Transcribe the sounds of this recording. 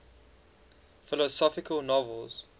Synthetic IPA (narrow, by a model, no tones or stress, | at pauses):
fɪlɔsɔfɪkʰəlˠnɔvəlˠz̥